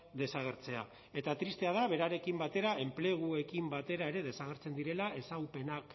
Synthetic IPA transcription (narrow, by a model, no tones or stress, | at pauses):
d̪e̞saɣ̞e̞ɾt͡se̞a | e̞t̪at̪ɾist̪e̞aðaβe̞ɾaɾe̞kimbat̪e̞ɾae̞mple̞ɣ̞ue̞kimbat̪e̞ɾae̞ɾe̞ðe̞saɣ̞e̞ɾt͡se̞nd̪iɾe̞lae̞sawpe̞nak